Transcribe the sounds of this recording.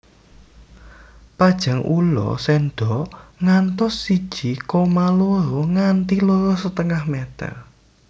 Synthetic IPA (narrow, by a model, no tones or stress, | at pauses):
pad̥ʒ̥a̤ŋʔulɔ̰sɛnɖ̪̥ɔ̤ŋant̪ɔsːid̥ʒ̥i̤kɔmaloɾoŋant̪iloɾɔsət̪əŋahmet̪ə̰r